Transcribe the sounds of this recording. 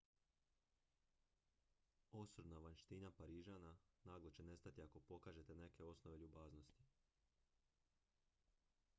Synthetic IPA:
osɾd̪naʋanʃt̪inapaɾiːʒaːnanaːɡlˠot͡ɕe̞ne̞st̪at̪iako̞po̞kaːʒe̞t̪e̞ne̞ke̞o̞snoʋe̞ʎubaːzno̞st̪i̥

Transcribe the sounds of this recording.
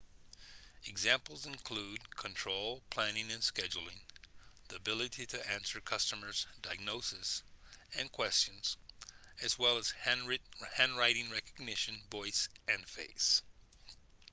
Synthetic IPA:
ɨɡzæ̃mpl̩ˠzɨ̃nkʰl̥ud̚kʰə̃ntʰɹ̥oʊlˠpʰl̥æ̃nɪ̃ŋɨ̃nskɛd͡ʒl̩ˠɪ̃ŋðiɨbɪlˠɨɾiɾɨæ̃nsə˞kʰʌstəmə˞zdaɪɡ̚noʊsɨsɨ̃nkʰw̥ɛst͡ʃɨ̃nz̥ɨzwɛlˠəz̥ | hæ̃nɹaɪɾɪ̃ŋɹɛkɨɡ̚nɪʃɨ̃nvɔɪsɨ̃nfeɪs

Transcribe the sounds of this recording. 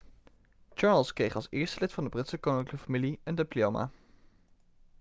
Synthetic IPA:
t͡ʃɑɹlˠskrejχɑlˠsɪːɹstəlɪtfɑndəbrɪtsəkownɪŋkləkəfamiliəndɪplioma̰ː

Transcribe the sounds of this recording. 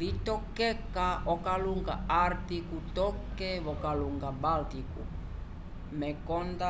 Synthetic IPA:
lit̪okːekːaokaluŋka̰art̪ikut̪okːeβokaluŋɡabalt̪ikṵ | mekont̪a

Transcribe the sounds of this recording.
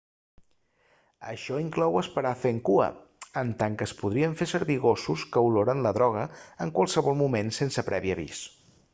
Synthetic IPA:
ə̰ʃɔiŋklɔwəspəɾafeŋkuə̰ | ənt̪aŋkəspuð̞ɾiəɱfesəɾβiɣosuskəwloɾənləðɾɔɣ̞əəŋkwəlˠsəβɔlˠmumensensəpɾʔɛβiəβḭs

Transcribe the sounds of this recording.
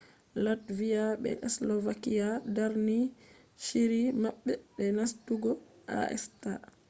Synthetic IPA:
latvijaɓɛ̰ʔɛslɔvakijadaɾni | ʃiɾimaɓːɛɓɛnastuɡɔ | ʔa̰ʔɛ̰sta

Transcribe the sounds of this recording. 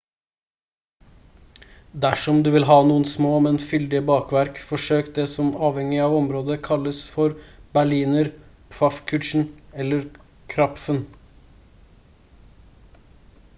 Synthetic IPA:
d̪æʂɔmd̪ʉːʋɪlɦɑːnuːənsmoːmɛnfʏld̪ɪəbɑːkʋæɾkfɔʂøːkt̪̚d̪eːsɔmɑːʋhɛŋɪɑːʋɔmɾoːd̪əkʰɑləsfɔɾbæɭiːnəɾ | pʰfɑfkʰʉʈ̪ʂɳ̩ɛlːəɾ | kʰɾɑpfən

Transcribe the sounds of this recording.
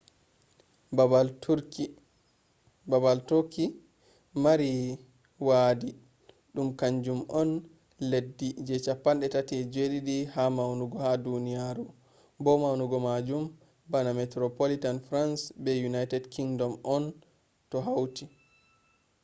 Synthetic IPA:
bal | babaltɔki | maɾi | waːdi | ɗumkaɲd͡ʒumʔɔn | ledːid͡ʒɛt͡ʃapːanɗɛtatiɛd͡ʒeɗiɗihamawnuɡɔhadunijaɾu | bɔmawnuɡɔmad͡ʒum | banamɛtɾopolitanfɾansbɛjunajtɛdkiŋdɔmɔn | tɔɦawti

